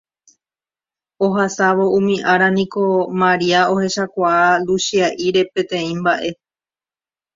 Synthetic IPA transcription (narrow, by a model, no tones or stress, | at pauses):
o̞ɦasaʋo̞ũmĩʔaɾanĩko̞mãɾiaohe̞ʃakʷaːluʃiaʔiɾe̞pẽ̞t̪ẽ̞ĩmbaʔe̞